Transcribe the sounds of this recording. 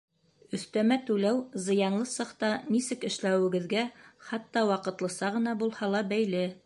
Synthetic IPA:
ɵ̆θt̪æmæt̪ʉlæwzɤ̆jɑnlˠɤsɤqt̪ɑnisɘkɘ̆ʃlæwɘ̆ɡɘ̆ðɡæχɑt̪ːɑwɑqɤ̆t̪lˠɤ̆sɑʁɤ̆nɑbulˠhɑlˠɑbæjlɘ

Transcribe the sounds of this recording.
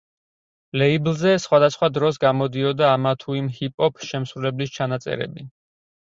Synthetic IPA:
lɛiblˠzɛsχwad̪asχwad̪ɾɔs̬ɡamɔd̪iɔd̪aːmat̪ʰuimhipʼɔpʰʃɛmsɾulɛblist͡ʃʰanat̪sʼɛ̰ɾɛ̰bi

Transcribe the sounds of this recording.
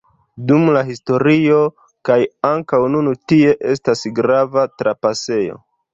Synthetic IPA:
dumlaɦisto̞ɾio | kajaŋkawnunutie̞ʔe̞stasɡɾavatɾapase̞jo̞̰

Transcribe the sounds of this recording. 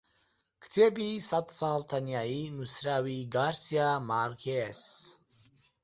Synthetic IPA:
kʰt̪ʰɛbisat̪ʰsaɦlt̪ʰaniainusɾawiɡaɾsiamaɾkʰɛs

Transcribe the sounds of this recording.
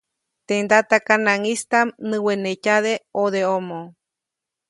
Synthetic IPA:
t̪end̪at̪akanãŋist̪amnɨ̃wenecaðeoðeomõ

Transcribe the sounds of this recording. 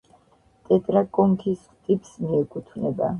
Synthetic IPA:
t̪ʼɛt̪ʼɾakʼɔŋkʰisχt̪ʼipʰsmiɛkʼut̪ʰvnɛba̰

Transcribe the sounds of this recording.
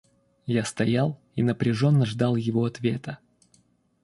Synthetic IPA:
jast̪ɐjalˠ | inəpɾʲɪʐo̞nːəʐd̪ɑlˠjɪvoɐt̪vʲe̞t̪ə

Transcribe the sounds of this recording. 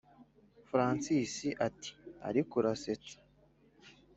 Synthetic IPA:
fɾaːnsiːsiʔati̥a̰ɾikuɾase̞t͡sḁ

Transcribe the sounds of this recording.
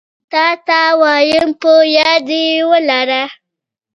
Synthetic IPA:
t̪at̪awajəmpojad̪iwəlaɾa

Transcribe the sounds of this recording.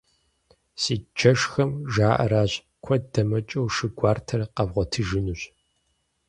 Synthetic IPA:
siːd͡ʒɐʂxɐmʒaːʔɐ̰ɾaːɕ | kʷʰɔdɐmɐt͡ʃʼɐwʃɨɡʷaːrtʰɐrqɐvʁʷɔtʰɨʒɨnuːɕ

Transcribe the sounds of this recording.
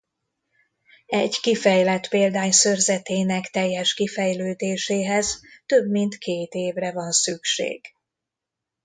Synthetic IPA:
ɛɟkifɛjlɛt̪peːld̪aːɲsørzɛt̪eːnɛkt̪ɛjːɛʃkifɛjløːd̪eːʃeːɦɛz̥t̪øbmint̪kʰeːt̪eːvrɛvɒnsykʃḛːɡ̥

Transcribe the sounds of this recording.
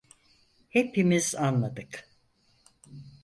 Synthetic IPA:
hepimizanlˠad̪ɯk

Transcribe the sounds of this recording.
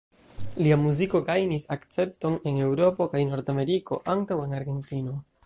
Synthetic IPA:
liamuziko̞ɡajnisakt͡se̞p̚to̞ne̞ne̞wɾo̞po̞kajno̞ɾdame̞ɾiko̞̰ʔaŋtawe̞naɾɡe̞ntino̞

